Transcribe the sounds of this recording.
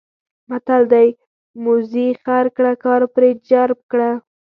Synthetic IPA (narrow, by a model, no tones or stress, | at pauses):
mat̪ald̪aj | mʊzixaɾkɽakɑɾpɾed͡ʒaɾb̚kɽa